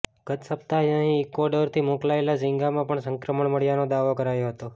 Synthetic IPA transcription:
ɡ̥ət̪səp̚t̪ajə̃ɦĩekɔɾɖəɾt̪ʰimõklaelad͡ʒĩŋɡamãpəɳsə̃ŋkɾəməɳməɽjanod̪aʋokəɾajoɦət̪o

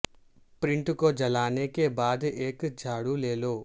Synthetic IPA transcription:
pɾɪ̃ɳʈkod͡ʒɐlaːnekebaːd̪eːkd͡ʒʱaːɽuleːloː

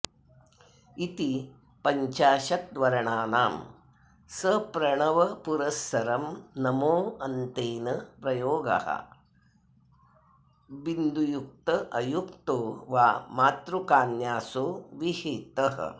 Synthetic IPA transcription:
it̪i | pɐɲt͡ʃaːʃɐt̪̚d̪ʋɐɾɐɳaːnaːm | sɐpɾɐɳɐʋɐpuɾɐsɐɾɐmnɐmoːɐnt̪eːnɐpɾɐjoːɡɐ̰hɐ̰ | ʋind̪ʱujuk̚t̪ɐʔɐjuk̚t̪oːʋaːmaːt̪ɾukaːnjaːsoːʋiheːt̪ɐɦɐ̰

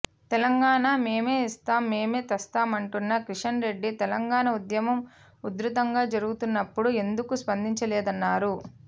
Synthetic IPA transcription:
t̪ɛlɐŋɡaːɳaːme̞ːme̞ːist̪aːmːe̞ːme̞ːt̪ɐst̪aːmɐɳʈunːɐkɾiʂɐnɾe̞ɖːit̪ɛlɐŋɡaːɳɐud̪jɐmɐm | ud̪ɾut̪ɐŋɡaːd͡ʒɐɾuɡut̪unːɐpːuɽue̞nd̪ukuspɐnd̪iɲt͡ʃɐlɛːd̪ɐnːaːɾu

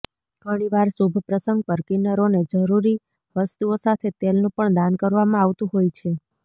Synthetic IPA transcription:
ɡ̥ʱəɽ̃iʋaɾsubʱpɾəsə̃ŋɡ̚pəɾkenəɾoned͡ʒəɾuɾi | ʋəst̪uosat̪ʰet̪elnũpəɳd̪ankəɾʋamãaʋt̪ũɦojt͡ʃʰe

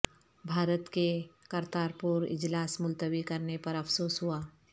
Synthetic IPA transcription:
bʱaːɾət̪kekɐɾt̪aːɾpʊɾɪ̰d͡ʒlaːsmʊlt̪əʋikɐɾnepɐɾɐfsoːsɦuaː

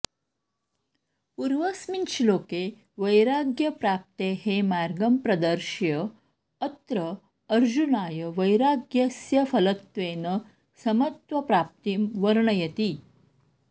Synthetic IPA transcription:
puɾʋəsminʃiloːke | ʋəjɾaɡjəpɾap̚t̪eɦemaɾɡəmpɾɐd̪əɾʃjə | ət̪ɾəː | ɾd͡ʑunaːjəʋɐjɾaɡjɐsjɐfɐlət̪ʋeːnə | sɐmɐt̪ʋɐpɾaːp̚t̪imʋəɾɳəjɐt̪iː

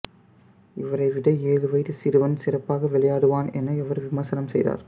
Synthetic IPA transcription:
ɪʋɐɾɐɪʋɪɽɐeːðɯʋɐɪt̪ːɯsɪɾɯʋɐnsɪrɐpːaːɣɐʋɛɭɐjaːɽɯʋaːnɛ̰nːɐɪʋɐɾʋɪmɐsɐnɐmsɛjða̰ːɾ

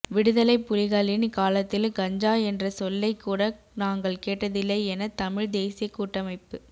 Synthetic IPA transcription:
ʋɪɽɯðɐlɐɪpːʊlɪɣaːlɪnkaːlɐt̪ːɪlɡɐɲd͡ʒaːɛndrɐsɔlːɐɪkːuːɽɐ | naːŋɡɐɭkeːʈːɐðɪlːɐɛnɐt̪ɐmɪɻd̪eːsɪjɐkːuːʈːɐmɐɪpːɯ

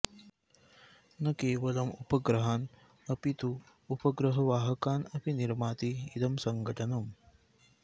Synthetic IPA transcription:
nɐkeːʋɐlɐmupɐɡɾɐɦaːn | ɐpit̪uː | pɐɡɾɐɦɐʋaːɦɐkaːnɐpiniɾmaːt̪iːd̪ɐmsɐŋɡɐʈɐnɐm

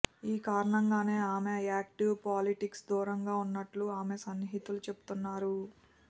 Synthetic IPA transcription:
iːkaːɾɐɳɐŋɡaːne̞ːaːmeaːk̚ʈiwpaːliʈiksd̪uːɾɐŋɡaːunːɐʈluaːmesɐnːɦit̪ulut͡ʃe̞bu̥t̪unːaːɾu

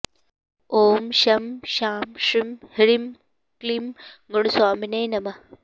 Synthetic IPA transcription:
oːmʃɐmʃaːmʂimhiɾim | klimɡoɽusaːminɐjnɐmɐ

